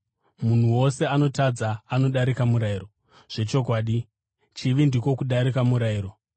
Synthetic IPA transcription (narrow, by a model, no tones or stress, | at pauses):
mun̤uwose̞ano̞tad͡zaːno̞ɗaɾikamuɾaiːro̞ | ʐ̥e̞t͡ʃo̞kwaːɗi | t͡ʃiʋindiko̞kuɗaɾikamuɾaiːɾo̞